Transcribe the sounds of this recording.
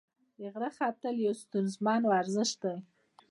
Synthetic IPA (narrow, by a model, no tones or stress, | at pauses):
dəɣɾaxɑt̪əljawst̪unzmɑnwaɾzəʃd̪a